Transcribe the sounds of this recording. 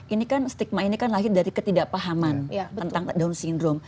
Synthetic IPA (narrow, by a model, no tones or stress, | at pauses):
ʔinikanst̪ik̚mainikanlaɦɪt̪̚daɾikət̪idaʔpaɦamanənaŋt̪adaʊnsindɾom